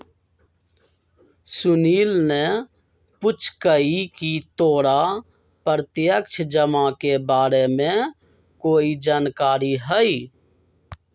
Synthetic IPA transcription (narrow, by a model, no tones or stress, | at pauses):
sʊniːlne | pʊt͡ʃʰkəikit̪oːɽa | pəɾt̪jəkt͡ʃʰd͡ʒəmãkebaːɾemẽ | koːid͡ʒaːnkaːɾiɦəiː